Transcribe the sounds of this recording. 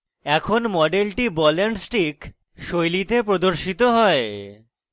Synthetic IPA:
ɛkʰonmɔɖelʈibɔleɳɖsʈik | ʃojlit̪ep̬ɾod̪oɾʃit̪oɦɔe

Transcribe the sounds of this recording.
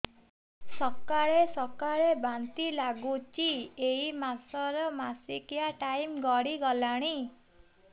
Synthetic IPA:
sɔkaɭesɔkaɭebant̪ilaɡut͡ʃieimasɔɾɔmasikijaʈajmɡɔɽiɡɔlaɽ̃i

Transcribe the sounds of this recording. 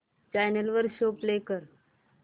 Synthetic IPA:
t͡ɕajnəlʋəɾɕoplekəɾ

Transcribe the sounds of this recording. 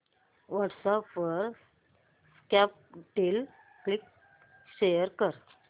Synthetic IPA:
ʋaʈsapʋəɾ | skap̚ʈil | klik | ɕejəɾkəɾ

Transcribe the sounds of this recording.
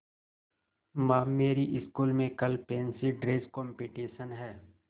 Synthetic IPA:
mãːmeːɾiʔɪskuːlmẽkɐlpẽːnsiɖɾeːskɔːmpiːʈiːʃənɦɛː

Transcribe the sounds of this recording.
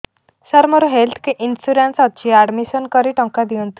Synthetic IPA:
səɾməɾuɦelt̪ʰkeʔinsuɾensat̪̚t͡ɕiaɽmisənkəɾiʈəŋkad̪iunt̪u̥

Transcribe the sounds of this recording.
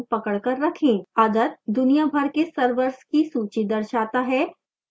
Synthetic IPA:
pɐkəɭkəɾːɐkʰẽːaːd̪ət̪̚d̪ʊnijabʱɐɾkesəɾʋəɾskisuːt͡ʃid̪ɐɾʃaːt̪aɦɛː

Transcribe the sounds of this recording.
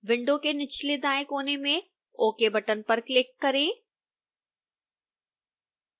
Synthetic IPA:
ʋɪ̃ɳɖõkenɪt͡ʃʰled̪aːekoːnemẽ | oːkebɐʈənpɐɾklɪkːɐɾẽː

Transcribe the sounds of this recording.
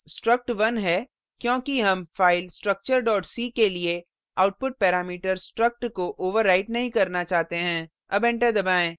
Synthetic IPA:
sʈɾɐk̚ʈʋɐnɦɛː | kjõːkiɦɐ̃mfaːɪlsʈɾɐk̚t͡ʃəɾɖɔːʈsiːkelie | aːʊʈ̚pʊʈ̚pɛːɾaːmiːʈəɾsʈɾɐk̚ʈkoʔoːʋəɾːaːɪʈnɐɦĩkɐɾnat͡ʃaːɦt̪eɦɛ̃ː | ɐbɛ̃ɳʈad̪ɐbaːẽː

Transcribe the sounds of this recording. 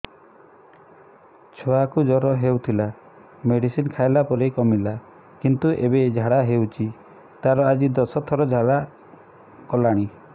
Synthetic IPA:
t͡ʃʰoakud͡ʒɔɾɔɦewt̪ʰila | meɽisinkʰaelapɔɾekɔmila | kint̪uʔebed͡ʒʱaɽaɦewt͡ʃʰi | t̪aɾɔad͡ʒid̪ɔsɔt̪ʰɔɾɔd͡ʒʱaɽa | kɔlaɽ̃i

